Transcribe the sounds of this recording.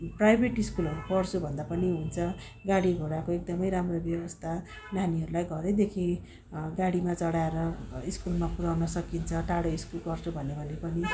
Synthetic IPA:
prajbʱeʈiskulʌɾupʌrt͡sʰubʱʌnd̪apʌniɦunt͡sʰʌ | ɡaɽiɡʱoɽakoek̚d̪ʌmʌjɾamrobjʌwʌst̪ʰa | naniɦʌɾulajɡʌɾed̪ekʰĩ | ɡaɽimat͡sʌɽaeɾʌiskulmapuɾawnʌsʌkint͡sʰʌʈaɽoiskulkʌrt͡sʰubʱʌnebʱʌnepʌni

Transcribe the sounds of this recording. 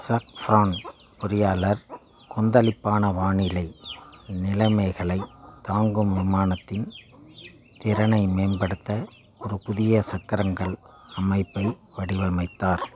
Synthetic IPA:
sɐkfɾaːn | pʊɾɪjaːlɐɾ | kɔnd̪ɐlɪpːaːnɐʋaːɳɪlɐɪnɪlɐmɐɪɣɐɭɐɪt̪ːaːŋɡɯmʋɪmaːnɐt̪ːɪn | t̪ɪɾɐnɐɪmeːnbɐɽɯt̪ːɐ | ɔɾɯpʊðɪjɐsɐkːɪɾɐŋɡɐɭ | ɐmɐɪpːɐɪʋɐɽɪʋɐmɐɪt̪ːaːɾ

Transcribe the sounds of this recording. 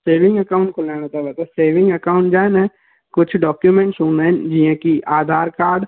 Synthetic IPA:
seːʋɪ̃ŋɡəkaːʊ̃ɳʈkolaːñat̪abɛt̪aseːʋɪ̃ŋɡəkaːʊ̃ɳʈ̚d͡ʒaːnɛ̃ | kʊt͡ʃʰɖɔːkjumẽɳʈsuːnɛ̃d͡ʒiãkiʔaːd̪ʱaːɾkaːɾɖ

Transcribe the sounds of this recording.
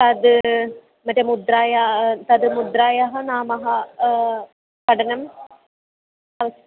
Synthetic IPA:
t̪ɐd̪ | mɐʈɐmud̪ɾaːjat̪ɐd̪mud̪ɾaːjaɦɐnaːmɐɦɐ | kɐɖɐnɐm | ɐʋɐs

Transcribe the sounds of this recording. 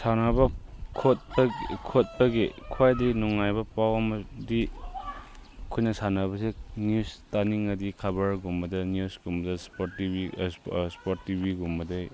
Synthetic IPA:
sanabɐkʰot̚bɐkʰot̚bɐɡekʰuajdinuŋːajbɐpawɐmɐdi | kʰojnɐsanɐbɐsenjustaniŋɐdikʰabɐɾɡumbɐdɐnjusɡumbɐdɐspoɾtibispoɾtːibiɡumbɐdej

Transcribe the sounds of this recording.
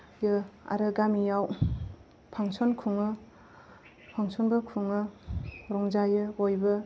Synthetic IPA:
jɯa̰ɾɯɡamijaw | pʰaŋsɔnkʰuŋɯ | pʰaŋsɔnbɯkʰuŋɯɾɔŋd͡ʒajɯojbɯ

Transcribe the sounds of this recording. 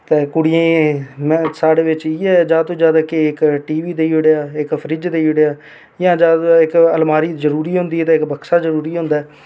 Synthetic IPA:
t̪eːkʊɽɪjãːmɛ̃ːsaːɽeːʋɪt͡ʃiːɛːd͡ʒaːt̪õːd͡ʒjaːd̪aːkeɪkʈiːʋiːd̪eːoɽejaːɪkpʰəɾɪd͡ʒd̪eːʊɽejaː | jãːd͡ʒaːd̪ɪkəlmaːɾiːzəɾuːɾiːɦõnd̪iːɛːt̪eɪkbəkʰsaːzəɾuːɾiːɦʊ̃nd̪aɛː

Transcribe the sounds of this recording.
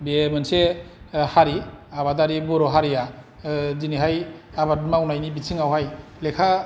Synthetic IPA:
bemɯnsehaɾiaβadaɾibɔɾɔɦaɾija | ziniɦajabadmaunajnibisʰiŋawɦajlekʰa

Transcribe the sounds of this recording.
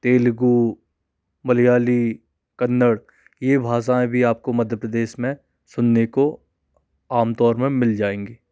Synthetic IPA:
t̪eːlɡu | mɐlijaːli | kɐnːəɽ | jebʱaːs̬aẽbʱiaːp̚komɐd̪ʱjəpɾəd̪eːʃmẽ | sʊnːeko | aːmt̪ɔːɾmẽmɪld͡ʒaːẽːŋɡeː

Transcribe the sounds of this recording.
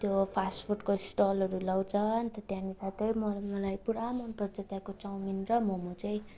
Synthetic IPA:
t̪jopʰaspʰurʈkoisʈolʌɾulawt͡sʰʌnt̪ʌt̪jãnisat̪ʌjmʌmʌlajpuɾamʌnprʌd͡zʌt̪jakot͡sawminrʌmomʌt͡sʌj̃

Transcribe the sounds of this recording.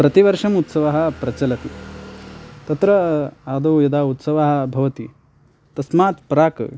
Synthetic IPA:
pɾɐt̪iʋɐɾʂɐmut̪sɐʋaɦɐ̆pɾɐt͡ʃɐlɐt̪i | t̪ɐt̪ɾɐad̪oːjɐd̪aːut̪sɐʋaːɦɐ̆bʱɐʋɐt̪i | t̪ɐsmaːt̪pɾaːk

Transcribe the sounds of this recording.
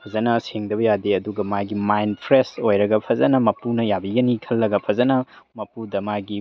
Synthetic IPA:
pʰɐzɐnɐseŋdɐβɐjadeɐduɡɐmaɡimajnpʰɾesojɾɐɡɐpʰɐzɐnɐmɐpunɐjabiɡɐnikʰɐlːɐɡɐpʰɐzɐnɐmɐpudɐmaɡi

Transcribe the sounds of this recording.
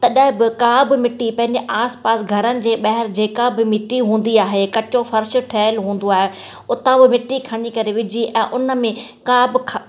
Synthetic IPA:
t̪ɐɗəɦɪ̃bɪkaːbmɪʈːipɐ̃ɦɪ̃ɲd͡ʑeʔaːspaːsɡʱɐɾənɪ̆d͡ʑeːɓɐɦɪɾd͡ʑeːkabɪmɪʈːiɦũːn̆d̪iaːɦekɐt͡ɕofɐɾʃ̆ʈʰɛːɪlɦũːn̆d̪oaːɦe | ʊt̪ãbɪmɪʈːikʰɐɽ̃ikɐɾeʋɪd͡ʑʱiʔɛ̃ːʔʊnə̆mẽkaːbkʰ

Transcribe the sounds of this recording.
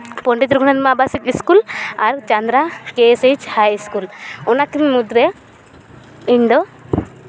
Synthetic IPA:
poɳɖit̪ɾkuɳad̪mabasikiskulaɾt͡ʃand̪ɾakesed͡ʒhajskulɔnakinmud̪ɾɛ | iɳɖo

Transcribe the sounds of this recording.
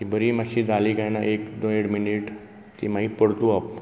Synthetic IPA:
kibəɾimaɕid͡zalikajnaʔeːkd̪õeɽminiʈ | kḭmaipəɽt̪ũap

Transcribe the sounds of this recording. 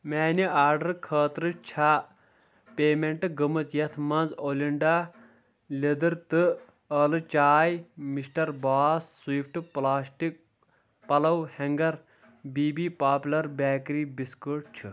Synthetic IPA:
mɛːniaːɾɖɐɾkʰəːt̪ɾɨt͡ʃʰaː | peːmeɳʈɨɡɨmɨt͡sjɐt̪ʰmɐnzoːlʲiɳɖaː | lʲed̪ɨɾt̪ɨ | əːlɨt͡ʃaːjmisʈɐɾbaːssuipʰʈɨplaːsʈik̚ | pɐlɐwhɐŋɡɐɾ | biːbiːpaːpʲlɐɾbaːkɾiːbiskɨʈ̚t͡ʃʰɨ

